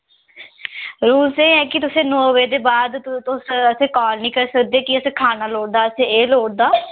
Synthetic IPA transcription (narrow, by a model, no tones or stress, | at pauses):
ɾuːlsẽːɛ̃ːkɪt̪ʊsẽːnoːʋeːd̪eːbaːd̪t̪ʊsəsẽːkɔːlnĩːkəɾsəkd̪eːkɪəsẽːkʰaːnaːloːɽd̪aːəsẽːeːloːɽ̚d̪aː